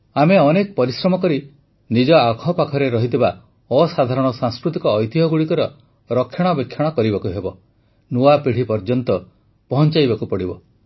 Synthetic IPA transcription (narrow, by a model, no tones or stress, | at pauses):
ameɔnekɔpɔɾisɾɔmɔkɔɾi | nid͡ʒɔakʰɔpakʰɔɾeɾɔɦit̪iba | ɔsad̪ʱaɾɔɽ̃ɔsãŋskɾut̪ikɔːjt̪iɦɔɡuɽikɔɾɔ | ɾɔkʰːjɔɽ̃ɔbekʰːjɔɽ̃ɔkɔɾibakuɦebɔ | nuapiɽ̤ipɔɾd͡ʒɔnt̪ɔ | pɔɦɔnt͡ʃajbakupɔɽibɔ